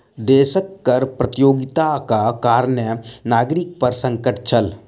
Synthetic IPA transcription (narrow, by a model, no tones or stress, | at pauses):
d̪eːʃəkːɐɾpɾət̪ɪjoːɡɪt̪akakaːɾənjənaːɡɾɪk̚pɐɾsə̃ŋkəʈt͡ʃʰəl